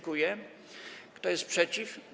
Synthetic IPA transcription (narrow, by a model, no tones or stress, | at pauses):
kujɛ | kt̪ɔjɛst̪̚pʂɛt͡ɕif